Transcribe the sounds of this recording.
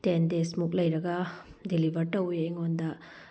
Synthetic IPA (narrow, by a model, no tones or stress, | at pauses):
tendesmuk̚lɐjɾɐɡɐdilibʱɐɾʈɐwjɐŋond̪ɐ